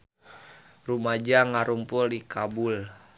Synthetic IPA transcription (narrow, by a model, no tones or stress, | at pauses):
rumad͡ʒaŋaɾumpuldikabul